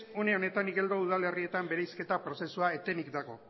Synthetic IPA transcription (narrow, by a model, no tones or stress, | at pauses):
uneo̞ne̞t̪aniɣe̞ld̪o̞uð̞ale̞rie̞t̪ambe̞ɾejske̞t̪apɾo̞se̞suaet̪e̞nikd̪aɣo̞